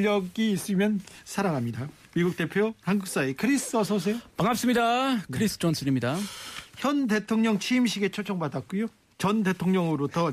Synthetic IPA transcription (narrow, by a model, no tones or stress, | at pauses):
ʌɡiːs͈ɯmjʌnsʰaɾaŋɦamɲida | miɡuk̚t͈e̞pʰjohanɡuk̚s͈aekʰɯɾisʰʌs̬ʰos̬ʰepaŋap̚s͈ɯmɲidakʰɯɾisʰɯ̥t͡ɕʌnsʰɯnimɲidaçjʌnde̞tʰoŋɲʌŋt͡ɕʰiːmɕʰiɡe̞t͡ɕʰot͡ɕʰʌŋbadak̚k͈ujo | t͡ɕʌnde̞tʰoŋɲʌŋɯɾotʌ